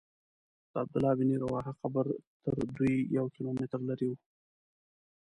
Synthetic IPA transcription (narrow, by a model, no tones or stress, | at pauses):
d̪̥əab̚d̪ʊlɑbɪniɾawɑɦaqabəɾt̪əɾd̪ujjawkilomɪt̪ɾlaɾiwu